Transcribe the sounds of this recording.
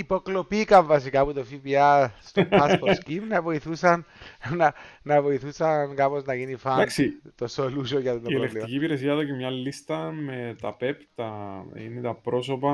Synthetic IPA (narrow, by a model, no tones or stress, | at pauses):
ipoklopikɐɱvɐs̬ikɐput̪ofipiɐst̪oɐsposkimnɐvo̞iθusɐnnɐnɐvo̞iθusɐnkɐpoznɐʝinifɐd̪aksit̪osolusojɐt̪onieleŋkit̪iciːpiɾesiɐðocemɲɐlːist̪ɐme̞t̪ɐpept̪ɐḭnet̪ɐpɾo̞sopɐ